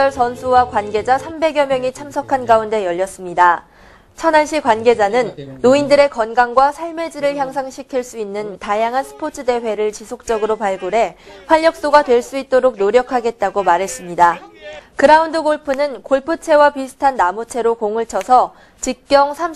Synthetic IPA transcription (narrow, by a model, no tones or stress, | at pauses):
ʌɭsʌnsʰuwakwanɡe̞d͡ʑasʰambe̞ɡjʌmjʌŋit͡ɕʰamsʰʌkʰanɡaunde̞jʌʎːʌs͈ɯmɲida | t͡ɕʰʌnanɕʰikwanɡe̞d͡ʑanɯnːoindɯɾe̞kʌnɡaŋɡwasʰaɭme̞d͡ʑiɾɯɭçjaŋsʰaŋɕʰikʰiɭs͈uinːɯntajaŋɦansʰɯ̥pʰot͡ɕʰɯde̞ɸwe̞ɾɯɭt͡ɕisʰok̚t͡ɕ͈ʌɡɯɾopaɭɡoɾe̞ɸwaʎːʌk̚s͈oɡadwe̞ɭs͈uit̚t͈oɾok̚noɾjʌkʰaɡe̞t̚t͈aɡomaɾɦe̞s͈ɯmɲidakɯɾaundɯɡoɭpʰɯnɯnkoɭpʰɯt͡ɕʰe̞wapisʰɯ̥tʰanːamut͡ɕʰe̞ɾokoŋɯɭt͡ɕʰʌsʰʌ | t͡ɕik̚k͈jʌŋsʰam